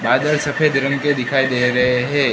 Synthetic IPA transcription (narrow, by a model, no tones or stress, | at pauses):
baːd̪əlsɐpʰeːd̪ɾənked̪ɪkʰaːid̪eːɾɐɦeɦɛ̃ː